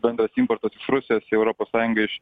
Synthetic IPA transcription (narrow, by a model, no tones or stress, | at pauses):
bʲɛnd̪ɾɐsɪmpɔɾt̪osɪʃɾʊsʲɪjoːsɛʊɾopoːssɑːjʊŋɡɐɪʃ